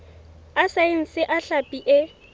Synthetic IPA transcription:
asaɪŋ̩sɪʔaɬapʼiʔɪ

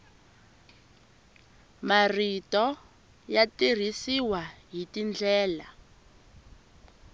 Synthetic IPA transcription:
maritɔ | jatir̤isiwaɦitind͡ɮɛːla̰

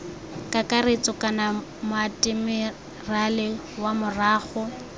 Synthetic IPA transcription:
kʼakʼaret͡sʼɔkʼana | mʊatʼɪmɪ | ralɪ | wamʊraːχʊ

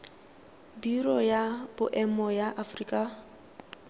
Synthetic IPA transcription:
birɔjab̥ʊʔɛmɔjaʔafriːkʼa

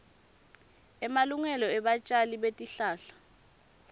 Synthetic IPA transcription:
ɛmaluŋɛlɔɛɓat͡ʃʼaliɓetʼiɬaːɬḁ

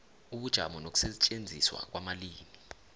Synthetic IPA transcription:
uɓud̥ʒ̥ʱa̰mɔnok̬ʼu̥sɛt͡ʃʼend͡zʱḭswa̰k̬wamaliːmi

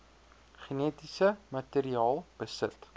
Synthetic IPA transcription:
χinetisəmɐteːɾiɑːlˠb̥əsət

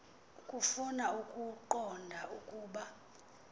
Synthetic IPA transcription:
kʼufunaukʼuǃɔndʱaukʼuːɓa

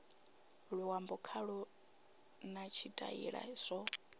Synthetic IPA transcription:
ɺuwambɔkʰaɺu | nat͡ʃʰitʼa̰ḭɺa̰z̥ʷɔ

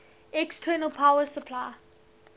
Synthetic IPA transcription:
ɛkstʰɜːnəlˠpʰawəsəpʰlaɪ

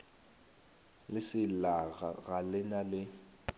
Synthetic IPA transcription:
lɪsɪlaɣa̰ɣalɪnalɪ

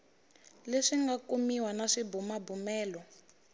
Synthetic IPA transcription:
leʂiŋɡakumiwanaʂibumabumɛːlɔ

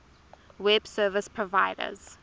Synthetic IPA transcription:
wɛb̥sɜːvəspʰɹɔvaɪdə̰z̥

